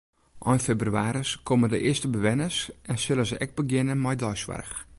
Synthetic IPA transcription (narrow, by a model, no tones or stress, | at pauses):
ʔɔjnfebryaːɾəskʰomədəʔɪəstəbəʋɛnəsɛnsɪləzəʔɛk̚bəɡjɪnəmɛjdɔjsʋa̰rx